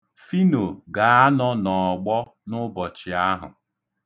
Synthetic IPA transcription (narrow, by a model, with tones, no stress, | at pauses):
fi˦no˨ɡa˨a˦nɔ˦nɔ˨ɡ͡bɔ˦ | nʊ˦bɔ˨t͡ʃɪ˨a˦ɦʊ̰˨